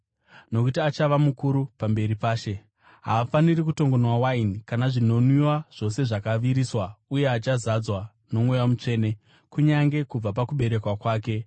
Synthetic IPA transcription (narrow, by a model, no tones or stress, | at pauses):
no̞kutiat͡ʃaʋamukuɾupambe̞ɾipaːʃe̞ | ɦa̰ːfanirikuto̞ŋɡo̞nwawainikanaʐino̞nwiwaʐ̥o̞se̞ʐakaʋiɾiswauje̞at͡ʃazad͡zwa | no̞mwejamut͡ʂe̞ːne̞ | kuɲaŋɡe̞kub͡vap̬akuɓe̞ɾe̞kwakwaːke̞